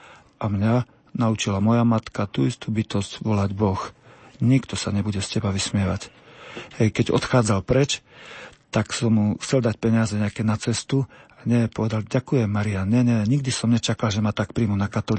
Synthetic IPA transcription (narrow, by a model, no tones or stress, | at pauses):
amɲa | naut͡ʃilamɔjamat̪kat̪uist̪ubit̪ɔscʋɔlaɟbɔxɲikt̪ɔsaɲɛbuɟɛscɛbaʋismɪɛʋa̰chɛjkɛɟɔ̰t̪xaːd͡zalpɾɛt͡ʃ | t̪aksɔmːuxt͡sɛld̪ac̚pɛɲɪazɛɲɛakɛnat͡sɛst̪uaɲɛpɔʋɛd̪alɟakujɛmːaɾianɲɛɲɛɲiɡ̚d̪isɔmɲɛt͡ʃakalʒɛmat̪ak̚pɾiːmunakat̪ɔli